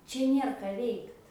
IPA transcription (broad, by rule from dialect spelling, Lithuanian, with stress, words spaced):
ˈt͡ʃʲɛ ˈnʲeːr kɐ ˈʋʲɛɪkt